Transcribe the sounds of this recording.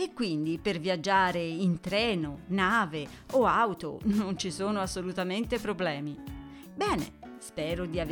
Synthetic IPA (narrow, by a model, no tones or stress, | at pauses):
ekːwind̪ipervjad͡ʒːaːɾeint̪ɾɛːnonaːve | oawt̪o̰nont͡ʃisoːnoasːolut̪ament̪epɾoblɛːmi | bɛːnḛ | spɛːɾod̪iav